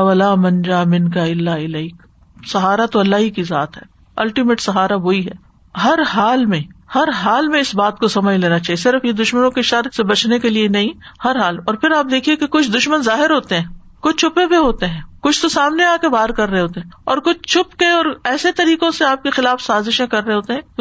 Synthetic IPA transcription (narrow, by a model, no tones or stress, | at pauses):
ʋɐlaːmɐ̃nd͡ʒaːmɪ̃nkaɪlːaɪlɛɪk | sɐɦaːɾat̪oɐlːaːɦikiza̰ːt̪ɦɛː | ɐlʈimeːʈsɐɦaːɾaboːiɦɛː | ɦɐɾɦaːlmẽhɐɾɦaːlmẽɪsbaːt̪̚kosɐməd͡ʒʱleːnat͡ʃaːɦiesɪɾfjed̪ʊʃmənõkeʃɐɾsebɐt͡ʃnekelienɐɦĩ | hɐɾɦaːlɔːɾpʰɪɾaːp̚d̪eːkʰiekekʊt͡ʃʰd̪ʊʃmənzaːɦɪɾɦoːt̪eɦɛ̃ː | kʊt͡ʃʰt͡ʃʰʊpebeɦoːt̪eɦɛ̃ːkʊt͡ʃʰt̪osaːmneaːkebaːɾkɐɾːɐɦeɦoːt̪eɦːɔːɾkʊt͡ʃʰt͡ʃʰʊpkeɔːɾɛːset̪ɐɾiːkõseaːp̚kexɪlaːfsaːzɪʃẽkɐɾːɦeɦoːt̪eɦɛ̃ː